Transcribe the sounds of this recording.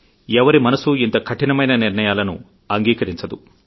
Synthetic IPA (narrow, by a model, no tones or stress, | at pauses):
ɛʋɐɾimɐnɐsuint̪ɐkʰɐʈinɐmɐjnɐniɾnɐjaːlɐnṵ | ɐŋɡiːkɐɾiɲt͡ʃɐd̪u